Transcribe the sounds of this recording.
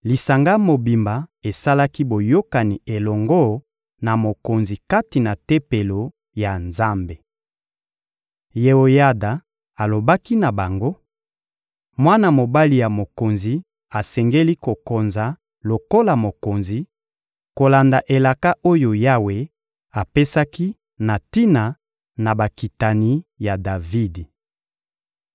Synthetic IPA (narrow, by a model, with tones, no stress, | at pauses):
li˨sa˨ŋɡa˦mo˨bi˨mba˨e˨sa˦la˦ki˦bo˨jo˦ka˨ni˨e˨lɔ˨ŋɡɔ˦ | na˨mo˨ko˨nzi˨ka˦ti˨na˨te˦pe˨lo˨ | ja˨nza˦mbe˨ | je˨o˨ja˦da˨ | a˨lo˨ba˦ki˦na˨ba˨ŋɡo˦ | mwa˦na˨mo˨ba˦li˨ja˨mo˨ko˨nzi˨ | a˨sɛ˨ŋɡe˦li˦ko˨ko˨nza˨ | lo˨ko˦la˨mo˨ko˨nzi˨ | ko˨la˨nda˨ʔe˨la˨ka˦ʔo˦jo˨ja˦we˨ | a˨pe˦sa˦ki˦ | na˨ti˦na˨ | na˨ba˨ki˨ta˨ni˨ja˨da˨vi˦di˨